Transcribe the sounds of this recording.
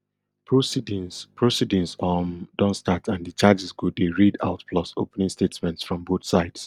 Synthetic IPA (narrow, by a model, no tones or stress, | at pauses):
pʰɹosid̃ŋpɹosidĩŋsɔndɔ̃nstatʰãndit͡ʃad͡ʒisɡudeɹida̰ʊtpʰlɔsopɛnĩŋstetmɛ̃ntsfɹɔ̃mboθsaɪds